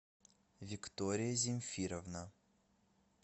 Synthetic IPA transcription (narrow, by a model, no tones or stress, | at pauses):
vʲɪkt̪ɔɾʲɪjəzʲɪmʲfʲiɾɐvnə